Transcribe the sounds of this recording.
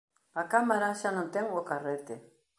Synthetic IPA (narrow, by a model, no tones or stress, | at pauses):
akamaɾaʃanɔt̪eŋokaret̪e